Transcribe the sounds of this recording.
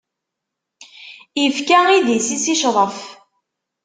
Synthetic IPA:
ifkæiðisisiʃʁəf

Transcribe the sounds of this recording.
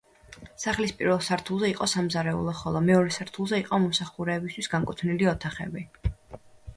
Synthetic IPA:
saχlispʼiɾvɛlˠsaɾt̪ʰulˠzɛiqʼɔsamzaɾɛṵlˠɔχɔlˠɔmɛɔɾɛsaɾt̪ʰulˠzɛiqʼɔmɔmsaχuɾɛːbist̪ʰwi̥sɡaŋkʼut̪ʰniliɔt̪ʰaχɛ̰bi

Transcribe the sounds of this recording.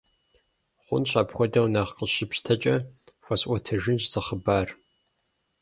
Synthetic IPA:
χʷʊnɕʷaːpxʷɔdɐwnaʁqəɕɪpɕtʰɐt͡ʃʼɐxʷɐsʔʷɐtʰɐʒɪnɕzɐχəbaːr

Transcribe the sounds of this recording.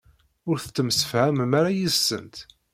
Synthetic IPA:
ʊɾθət͡s̪ːəmsə̥fhæməmaɾajisːə̰nt̪

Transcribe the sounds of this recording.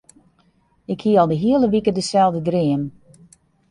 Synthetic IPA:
ɪkhiəɔlˠdəɦiəlˠəʋikədəsɛlˠdədrɪəm

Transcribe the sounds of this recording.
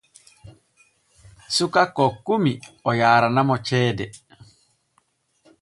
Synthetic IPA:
sukakːɔkːumiɔjaːɾanamɔt͡ʃɛːdɛ

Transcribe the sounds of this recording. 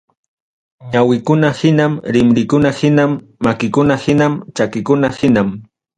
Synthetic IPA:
ɲawɪkʊnahɪnamɾɪmɾɪkʊnahɪnamː | akɪkʊnahɪnamt͡ʃakɪkʊnahɪnam

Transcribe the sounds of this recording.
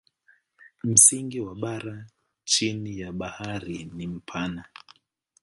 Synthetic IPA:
m̩siŋɡiwaɓaɾa | t͡ʃinijaɓahaɾinim̩pʰana

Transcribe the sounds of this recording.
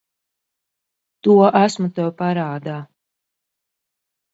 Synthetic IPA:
t̪uɔʔæsmut̪ɛwpaɾaːd̪aː

